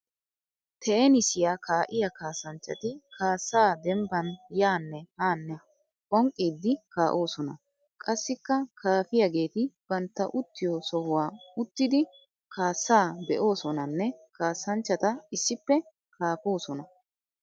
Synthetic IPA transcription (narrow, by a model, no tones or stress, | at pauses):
t̪ʰɛʔɛnɪsɪjaːkʰaːʔɪjɐkaːsːɐnt͡ʃːɐt̪ɪkʰaːsːaːd̪ɛmbɐnjaːnːɛhaːnːɛ | kʼɔŋkʼːiːd̪ːɪkaːʔo̞ːsɔnɐ̰ | kʼɐsːɪkːɐkʰaːfɪjɐɡe̞ːt̪ɪb̥ɐnt̪ːɐ̰ʔʊt̪ːɪjosɔhʊwaːʊt̪ːɪd̪ɪ | kaːsːaːbɛʔo̞ːsɔnɐnːɛkaːsːɐnt͡ʃːɐt̪ɐɪsːɪpːɛ | kʰaːpo̞ːsɔnɐ